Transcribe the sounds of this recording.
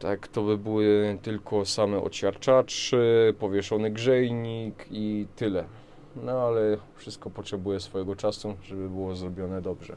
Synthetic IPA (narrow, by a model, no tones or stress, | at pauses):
t̪akt̪ɔbɘbɘwɘt̪ɘlkʰɔsamɛɔ̰ɕʲaɾt͡ʂat͡ʂɘpɔvʲjɛʂɔnɘɡʐɛjɲikʰit̪ɘlɛ | nɔalɛfʂɘst̪̚kɔpɔtʂɛbujɛsfɔjɛɡɔt͡ʂasuʐɛbɘbɘwɔzɾɔbʲjɔnɛd̪ɔbʐɛ̰